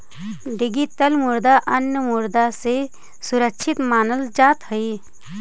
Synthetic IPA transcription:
ɖɪɡit̪əlmʊɾd̪aʔənjəmʊɾd̪ase | sʊɾəkʃʰɪt̪maːnəld͡ʒaːt̪ɦəiː

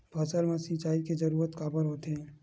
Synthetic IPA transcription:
bʱɐsəlmɐ̃sit͡ʃaːiked͡ʒɐɾuːɾət̪kaːbəɾɦoːt̪eɦɛ̃

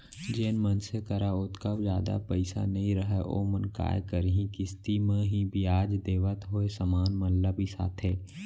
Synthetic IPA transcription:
d͡ʒeːnmənsekəɾaʊt̪kaʋd͡ʒjaːd̪a̰pəɪsa̰nɐɦĩɾəɦɛʔo̰ːmənka̰ːjkəɾɦĩkɪst̪imẽɦĩbiaːd͡ʒd̪eːʋət̪ɦoːesəmaːnmɐnləbʱisa̰ːt̪ʰɦɛː

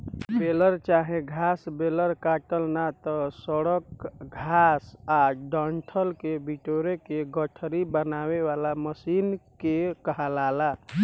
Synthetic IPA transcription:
beləɾt͡ʃaɦẽɡʱasbeləɾkaʈəlnat̪ɔsəɽəkɡʱasaɖəɳʈʰəlkebiʈoɾekeɡəʈʰɾibənaweʋalaməsinkekəɦalala

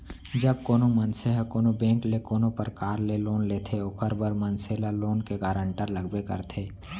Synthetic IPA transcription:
d͡ʒɐb̚koːnomənseɦakoːnobẽːŋklekoːnopəɾkaːɾleloːnleːt̪ʰeokʰəɾbəɾmɐnseːlaloːnkeɡaːɾə̃ɳʈəɾlɐɡbekə̰ɾt̪ʰeː

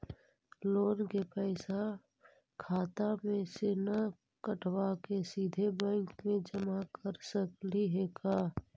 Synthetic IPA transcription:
loːnkepɛɪsa | kʰaːt̪amẽsena | kəʈʰwakesiːd̪ʱebɛ̃ːŋkmẽd͡ʒəmakəɾsəkliɦeːkaː

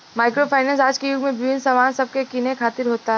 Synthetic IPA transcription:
maːɪkɾopʰaːnɛ̃ːnsaːd͡ʒkejʊɡmẽbɪʋɪ̃nsɐmaːnsɐb̚kekiːnekʰaːt̪ɪɾɦoːt̪aɦɛ

